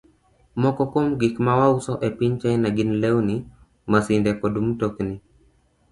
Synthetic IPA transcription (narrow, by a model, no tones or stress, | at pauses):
mɔkɔkomɡikmawausɔʔɛpiɲt͡ʃajnaɡinlɛuni | masindɛkɔdumtɔkni